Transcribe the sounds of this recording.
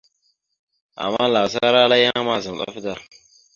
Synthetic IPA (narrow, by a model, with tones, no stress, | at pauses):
ʔa̰˨mːa˦la˨sa˦ɾa˦la˦ja˦ŋ˦ma˦za˨m˨ɗa̰˦fda˦˨ɾ